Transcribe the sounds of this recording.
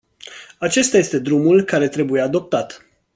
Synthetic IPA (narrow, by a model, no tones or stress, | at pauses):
at͡ʃe̞st̪aje̞st̪e̞d̪ɾumulkaɾe̞t̪ɾe̞bujead̪o̞p̚t̪at̪